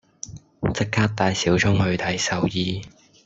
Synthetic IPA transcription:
t͡sɪ˥k̚kʰːaː˥k̚t̪aː˧jsiː˨˥wt͡ʃʰʊ˥ŋhɵ˨˧ɥt̪ʰɐ˨˧jsɐ˨˧wjiː˧

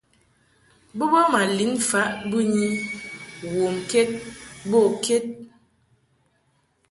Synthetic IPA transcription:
bə˦bɔ˦ma˨li˨˦nfa˨˦ʔbɨ˦ɲi˦ | wo˨mke˦t̚bo˦˨kʰe˦t̚

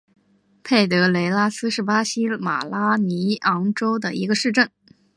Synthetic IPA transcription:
pʰe˥˩ɪt̪ɤ˧˥le˧˥ɪla˥sɹ̩˥ʂɻ̩˥˩pa˥ɕi˥ma̰˨˩la˥ni˧˥ɑ˧˥ŋʈ͡ʂo˥ʊd̪ə˨i˧˥ɡə˧ʂɻ̩˥˧ʈ͡ʂə˥˩ŋ

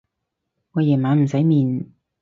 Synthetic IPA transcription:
ŋɔː˨˧jɛː˨˩nmaː˨˧˥m̩˨˩sɐ˨˥jmiː˨˧n

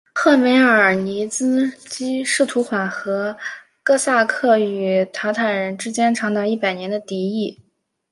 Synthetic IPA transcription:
xɤ˥˩me˧˥ɪə˞˨˩ni˧˥t͡sɹ̩˥t͡ɕi˥ʂɻ̩˥˩t̪ʰu˧˥xwa˨˩nxɤ˧˥ | kɤ˥˧sa˥˧kʰɤ˥˩y˨˩t̪ʰa˧˥ʊt̪ʰa˨˩nɻə˧˥nʈ͡ʂɻ̩˥t͡ɕjɛ˥nʈ͡ʂʰɑ˧˥ŋt̪ɑ˥˧ʊi˥˩pa˨˩ɪnjɛ˧˥nd̪ə˧t̪i˧˥i˥˩

